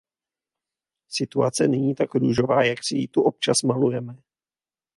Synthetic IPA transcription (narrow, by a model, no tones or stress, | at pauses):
sɪt̪uat͡sɛnɛɲiːt̪akɾuʒo̞vaːjaksɪjit̪uʔop̚t͡ʃasmalujɛmɛ